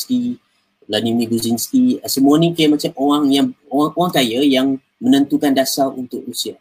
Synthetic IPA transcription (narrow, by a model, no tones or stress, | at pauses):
st̪i | lanimĩɡuzinst̪iəsəmuanikajamat͡ʃamoaŋjaŋaʔoaŋkajajaŋ | mənə̃nt̪ukandasarunt̪ʊkrusia